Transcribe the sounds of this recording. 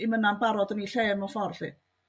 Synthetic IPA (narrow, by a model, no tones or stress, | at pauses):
imənanbaɾɔdəniɬeːmɔfɔrɬḭ